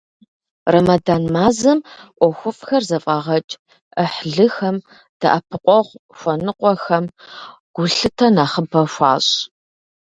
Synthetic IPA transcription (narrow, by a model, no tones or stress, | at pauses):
rɐmɐdaːnmaːzɐmʔʷɔxʷʊfʼxɐrzɐfʼaːʁɐt͡ʃʼ | əħɮɨxɐm | d̥aʔapʰɨqʷʼɔʁʷʃʷɔnɨqʷʼɔxɐm | ɡ̥ʷʊɬɨtʰɐnaːχəbɐʃʷɑ̰ːɕʼ